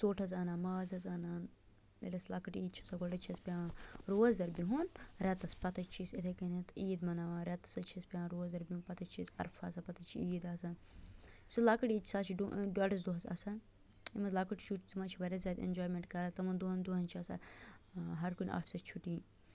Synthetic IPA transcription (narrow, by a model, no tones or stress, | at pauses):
soːʈʰɐzaːnaːnmɐːzɐzaːnaːn | ḛlʲɐslakɐʈiːt͡ʃʰiɐsaɡɔɖɐt͡ʃʰiɐspʲaːɾoːzd̪ɐɾbiɦunɾɛt̪ɐspɐt̪ɐt͡ʃt͡ʃʰiset̪ʰekɐnet̪iːd̪mɐnaːʋaːɾɛt̪ɐ̥sɐt͡ʃʰispʲãːnɾoːzd̪ɐɾbiuːnpɐt̪ʰɐt͡ʃt͡ʃʰisɐ̰ɾfʰaːsɐpɐt̪ɐt͡ʃʰiiːd̪aːsɐ | sulakɐʈiːd̪t͡ʃʰi̥saːt͡ʃʰiɖuɖɐʈɐz̬d̪oɦɐzɐ̰sɐ | imɐzlakɨʈʰt͡ʃʰuʈt͡smɐt͡ʃʰiʋɐɾʲɐzʲɐd̪ḛnd͡ʒoːjmeɳʈkɐɾɐt̪ɐmɐnd̪oɦɐnd̪oɦɐnt͡ʃʰiɐsa̰ | ɦɐɾkunʲʔa̰ːfʲsɐt͡ʃʰuʈiː